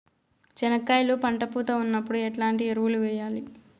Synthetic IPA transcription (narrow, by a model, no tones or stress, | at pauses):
t͡ʃɛnɐkːaːjlupɐɳʈɐpuːt̪ɐunːɐpːuɽuɛʈlaːɳʈieɾuʋuluʋɛːjaːli